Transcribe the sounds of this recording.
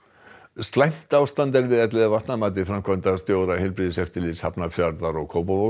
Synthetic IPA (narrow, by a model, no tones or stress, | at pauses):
st̪lajm̥t̪aːwst̪ant̪ɛɾvɪðɛt̪lɪðavaht̪namaːt̪̬ɪfɾamkʰvɔnt̪ast̪joːwɾahɪlpɾiðɪsɛft̪ɪlɪshapnafjaɾðaɾɔɣkʰoːwpavo